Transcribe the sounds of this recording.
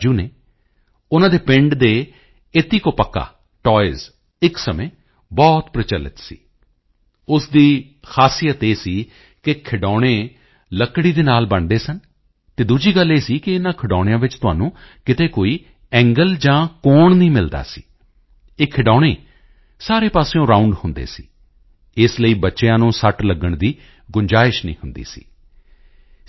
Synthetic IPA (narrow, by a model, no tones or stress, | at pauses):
d͡ʒuːneː | ʊnãːd̪eːpɪ̃ɳɖd̪eː | ɪt̪iːkoːpəkːa̰ː | ʈɔːɪz | ɪksəmẽː | bɔːt̪pɾət͡ʃəlːə̰t̪sḭː | ʊsd̪iː | xʰaːsijət̪eːsiː | kɪkʰɪɖɔːɽ̃eː | ləkːɽiːd̪eːnaːlbəɳd̪eːsən | t̪eːd̪uːd͡ʒiːɡəlːeːsiːkɪɪnãːkʰəɖɔːɽ̃ɪ̃jãːʋɪt͡ʃt̪ʊɦa̰ːnũːkɪt̪eːkoːiː | ɛ̃ːŋɡəld͡ʒãːkoːɳnĩːmɪld̪a̰ːsiː | eːkʰɪɖɔːɽ̃eː | saːɾeːpaːseõːɾaːʊɳɖhʊnd̪ḛːsiː | ɪsləiːbətːʃejãːnũːsəʈləɡəɳd̪iː | ɡʊɲd͡ʒaːɪʃnḭ̃ːhʊnd̪ḭːsḭː